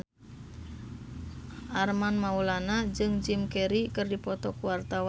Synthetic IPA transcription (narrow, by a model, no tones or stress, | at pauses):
ʔarmanmaulanad͡ʒɨŋd͡ʒimkɛɾikɨrdipɔt̪ɔkuwart̪awa